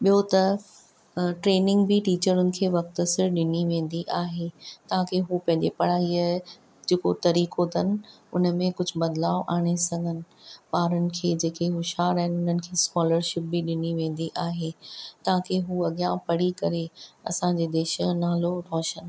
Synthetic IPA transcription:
ɓijot̪ɐf | ʈɾeːnɪ̃ŋɡbɪʈiːt͡ɕəɾʊnɪ̆kʰeːʋɐk̚t̪əsɪɾɗɪniʋẽːn̆d̪iʔaːɦet̪ɐɦãkʰeɦuːpɐ̃ɦɪ̃ɲd͡ʑepɐɽ̤aːiaɦ | d͡ʑeːkot̪ɐɾiːkot̪ɐn̆ʊ̰nəmẽkʊd͡ʑʱʊ̆bɐd̪laːoʔaːɽ̃esɐŋɡʱənɪ̆ɓaːɾənɪ̆kʰeːd͡ʑeːkeɦʊʃaːɾaːɪnʊnənɪ̆kʰeːskɔːləɾʃɪp̚bɪɗɪniʋẽːn̆d̪iʔaːɦeːt̪ɐãkʰeɦuːɐɠjãpɐɽikɐɾeɐ̰sãɲd͡ʑeːd̪eːʃənaːloɾɔːʃənɪ̆

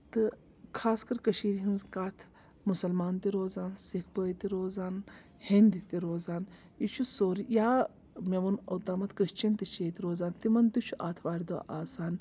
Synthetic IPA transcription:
t̪ɨ | kʰaːskɐɾkɐʃiːɾɦinzkaːt̪ʰ | musɐlmaːnt̪iɾoːzaːnsikʰpəːjt̪iɾoːzaːn | hind̪it̪iɾoːzaːn | jit͡ʃʰusoːɾjaː | mʲeʋunɐ̰t̪aːmɐt̪ʰkɾiʃt͡ʃɐnt̪it͡ʃʰeːt̪iɾoːzaːnt̪imɐnd̪ut͡ʃʰuʔaːt̪ʰʋaːɾʲd̪oʔaːsaːn

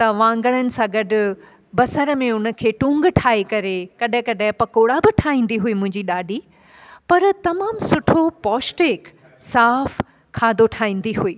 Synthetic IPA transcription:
t̪ɐʋãːŋɡəɽ̃ənɪ̆sãɡɐɖʊ̆ | bɐsəɾəmẽʊnə̆kʰeːʈũːŋɡʈʰaːekɐɾekɐɗɪ̃kɐɗɪ̃pɐkoːɽabɪʈʰaːɦĩːn̆d̪iɦʊimʊ̃ɦɪ̃ɲd͡ʑiɗaːɖʱi | pɐɾt̪ɐmaːmsʊʈʰopɔːsʈeːk | saːf | kʰaːd̪oʈʰaːɦĩːn̆d̪iɦueː

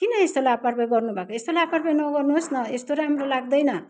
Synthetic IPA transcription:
kinʌest̪olaaparbajɡʌrnubʱakoest̪olaaparbajnʌɡʌrnuɦosnʌest̪oɾaamrolaɡd̪ʌjnʌ

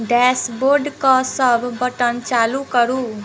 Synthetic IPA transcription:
ɖɛsboɾɖkɔsəbʱːəʈənt͡ʃalukəɾu

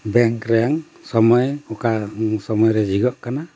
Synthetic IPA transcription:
bɛŋkɾɛjaŋ | sɔmɔjɔkasɔmɔjɾɛd͡ʒiɡɔʔkana

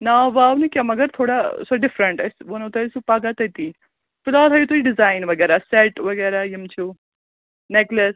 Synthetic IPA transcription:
naʋaːʋnikʲamɐɡəɾt̪ʰoːɽasoɖɪfɾəɳʈɐsʋonut̪ɐsupaːɡat̪ɐjt̪iː | fɪlaːlɦɐjut̪ʰuːɾiɖɪzaːɪnʋɐɡɛːɾasɛʈʋɐɡɛːɾajɐmt͡ʃʰu | neklɐs

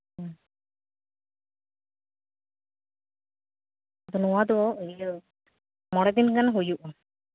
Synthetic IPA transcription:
d̪ɔnɔwad̪ɔɔi | mɔɽɛd̪inkanɦujuʔ

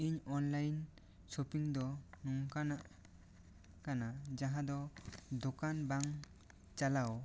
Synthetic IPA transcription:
iɲɔnlajn | sɔpiŋd̪ɔnuŋkanaʔ | kanad͡ʒaɦad̪ɔd̪ɔkanbaŋ | t͡ʃalaw

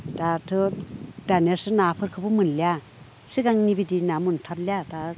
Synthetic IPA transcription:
d̥atʰɯdanesɯnapʰɯɾkʰɯbɯmɯnlia | siɡaŋnibidinamuntʰat̚liada

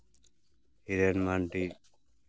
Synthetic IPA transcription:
hiɾenmaɳʈi

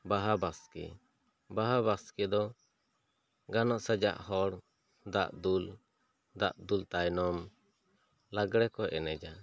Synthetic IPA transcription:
baɦabaskɛ̰ | baɦaβaskɛd̪ɔ | ɡanɔʔsad͡ʒa̰ʔhɔɽ | d̪aʔd̪ul | d̪aʔd̪ult̪ajnɔm | laɡɽɛkɔʔɛnɛd͡ʒa

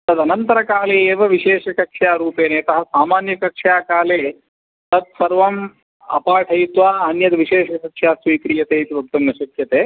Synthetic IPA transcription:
t̪ɐd̪ɐnɐnt̪ɐɾɐkaːleːeːʋɐʋiʃeːʂɐkɐkʂjaːɾuːpeːneːt̪ɐɦɐsaːmaːnjɐkɐkʂjaːkaːleː | t̪ɐt̪̚sɐɾʋɐm | ɐ̰paːʈʰɐjit̪ʋaːɐnjɐd̪ʋiʃeːʃɐsɐtʃʰjaːsʋiːkɾiːjɐt̪eːit̪ibʱɐk̚t̪ɐmnɐʃɐkjɐt̪eː

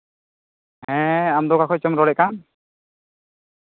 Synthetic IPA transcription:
ɦɛ̃amdɔkakʰɔjt͡ʃɔmɾɔlɛkam

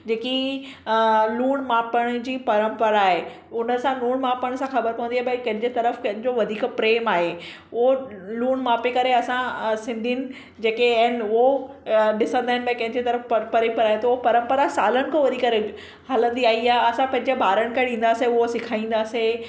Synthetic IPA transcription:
d͡ʑeːki | luːɽ̃maːpəɽ̃d͡ʑiːpɐɾə̃mpəɾaːɦe | ʊnə̆sãluːɽ̃maːpɐɽ̃sãxɐbəɾpɐʋə̃nd̪iaɦebɐkɐ̃ɦɪ̃ɲd͡ʑet̪ɐɾəfkɐ̃ɦɪ̃ɲd͡ʑoʋɐd̪ʱiːkpɾeːmaːɦe | ʊɦoluːɽmaːpekɐɾeɐsãsɪ̃nd̪ʱinɪ̆ | d͡ʑeːkeɐɦɪnʊɦoɗɪsə̃nd̪aːɦɪ̃nɪbɐ̃kɐ̃ɦɪ̃ɲd͡ʑet̪ɐɾəfpɐɾə̃mpəɾaːɦet̪ɐʊɦopɐɾə̃mpəɾasaːlənɪ̆kʰõʋɐd̪ʱiːkɐɾe | ɦɐlə̃nd̪iaːiaːɦeɐsãpɐ̃ɦɪ̃ɲd͡ʑebʱaːɾəɽ̃ɪ̆kʰaɗĩːn̆d̪aːseʊɦosɪkʰaːĩːn̆d̪aːse

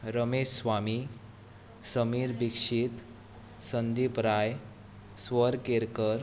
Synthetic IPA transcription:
ɾəmeɕsʋami | səmiːɾbikʂit̪ | sənd̪ipɾaj | sʋəɾkeɾkəɾ

